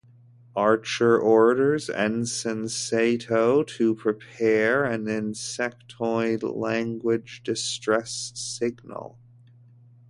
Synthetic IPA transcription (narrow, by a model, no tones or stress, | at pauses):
ɑɹt͡ʃə˞ʔɔɹɾə˞zɛ̰̃nsɛ̃nseɪɾoʊɾɨpʰɹ̥ipʰɛɹɨ̃nɪ̃nsɛk̚tʰɔɪdlæ̃ŋɡwɪd͡ʒdɨstɹ̥ɛssɪɡnə̰l̩ˠ